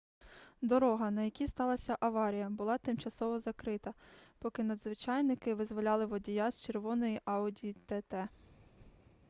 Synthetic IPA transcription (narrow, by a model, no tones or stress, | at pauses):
d̪ɔɾɔɦɐnɐjɐkʲist̪ɑlˠɐsʲɐʔɐʋɑɾʲijɐbʊlˠɑt̪ɪmt͡ʃɐsɔʋɔzɐkɾɪt̪ɐpɔkɪnɐd̪zʋɪt͡ʃɑjnɪkɪʋɪzʋɔlʲɑlˠɪʋɔdʲijɑsʲt͡ʃerʋɔnɔjiʔɑʊdʲiit̪ɛt̪ɛ